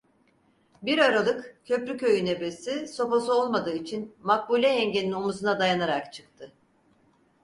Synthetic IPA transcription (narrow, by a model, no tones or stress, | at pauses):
biɾaɾalˠɯkcʰø̞pɾycʰø̞jyne̞be̞siso̞posuolˠmad̪ɯːit͡ʃʰinmak̚bulʲɛjɛɲɟe̞ninomuzunad̪ajanaɾakt͡ʃʰɯ̥k̚t̪ʰɯ